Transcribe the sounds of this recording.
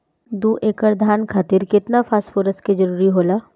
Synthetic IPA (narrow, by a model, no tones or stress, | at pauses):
d̪uːʔeːkəɾd̪ʱaːnkʰaːt̪iɾkɪt̪nafʰaːspʊɾəsked͡ʒəɾuːɾiɦoːlaː